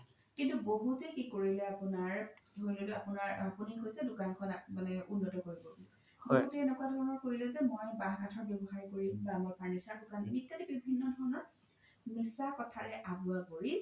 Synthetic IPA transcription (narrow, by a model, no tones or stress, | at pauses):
kintuboɦutɛkikoɹilɛapʊnaɹdʱojlolɛapʊnaɹapunikojsɛdʊkankʰɔnmanɛunːɔtɔkoɹibɔ | ɔkutɛɛnɛkuadʱɔɹɔnɔɹkoɹilɛzɛmojbaɦɡʱatʰɔɹbjɔbɔxaɹikoɹimbamajpʰaɹnisaɹdʊkanemitkanibibʱinːɔdʱɔɹɔnɔɹ | misakɔtʰaɹɛʔabuakoɹi